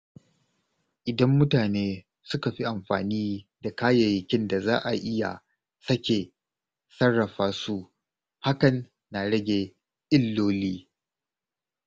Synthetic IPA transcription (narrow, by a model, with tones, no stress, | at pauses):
ʔɪ˨dɐ˦mːʊ˦taː˨neː˦ | sʊ˦ka˨ɸi˦ʔa˨mɸa̰ː˨niː˦da˨kaː˦jɐ˨jɪ˨kʲɪ˦nda˨za̰ː˦ʔa˨ʔɪ˦ja̰˨ | sɐ˦kʲe˨ | sɐ˦rːɐ˨ɸaː˦su˦ | ha˦kɐ˨nː | a˨ɽɐ˦ɡʲe˨ | ʔɪ˦lːoː˦liː˦